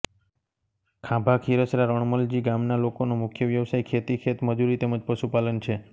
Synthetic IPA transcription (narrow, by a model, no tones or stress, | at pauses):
kʰãbʱakʰiɾəsɾaɾɔɳməld͡ʒiɡamnalokonomʊkʰjəʋjəʋsajkʰet̪ikʰet̪məd͡ʒuɾit̪eməd͡ʒpəʃupalənt͡ʃʰe